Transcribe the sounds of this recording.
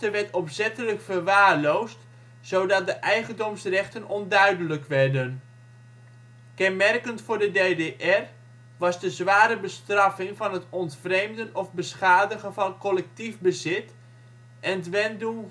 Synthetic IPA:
təʋɛɹtɔpsɛtələkfərʋaːrlowst | sowdɑt̚dəʔɛjχəndɔmsrɛχtənɔndœɥdələkʋɛrdən | kɛnmɛrkəntfʊːɹdədeːdeʔɛr | ʋɑzdəzʋaːɾəbəstrɑfɪŋvɑnɦətɔntfrejmdənɔfbəsχaːdəɣənvɑnkɔlɛk̚tivbəzɪt | ʔɛnətʋɛndu

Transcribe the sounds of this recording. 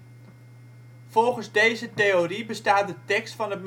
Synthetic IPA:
fɔlˠχənzdejzətejoribəstaːt̚dətɛkstfɑnət̚m

